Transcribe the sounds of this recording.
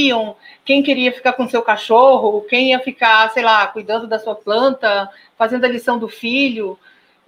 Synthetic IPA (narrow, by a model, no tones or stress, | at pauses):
ɐ̃w̃kẽj̃keɾiɐfi̥kaɾkõsewkaʃoɦʊkẽj̃iɐfikaɾsejlakujd̪ɐ̃nd̪ʊd̪ɐsuɐplɐ̃nt̪ɐ | fazẽnd̪ʊɐlisɐ̃w̃d̪ʊfiʎʊ